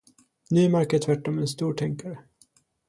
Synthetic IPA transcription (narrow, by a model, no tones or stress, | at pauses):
nʉ̟ːmæɾkətʰvæʈːɔmɛnst̪uːʈʰɛŋkaɾə